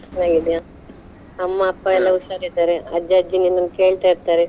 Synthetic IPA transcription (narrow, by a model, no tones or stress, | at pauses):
ɐnaːɡid̪ja | ɐmːaɐpːaɛlːɐuʃaːɾid̪aɾeɐd͡ʒaːd͡ʒiniːnɐnkeːɭt̪aiɽt̪aːɾe